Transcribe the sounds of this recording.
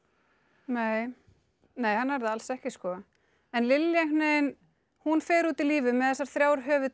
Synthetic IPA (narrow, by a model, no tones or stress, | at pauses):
neːj | neːjhanːvɛɾðaalsɛhcɪskɔ | ɛnlɪlːjaŋneːjn | hunfɛːɾuːt̪iliːvɪmɛðɛsːaɾ̥θɾjawɾ̥ɦœːvʏ